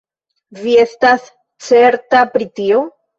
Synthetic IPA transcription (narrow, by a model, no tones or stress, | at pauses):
vie̞stas | t͡se̞ɾtapɾitio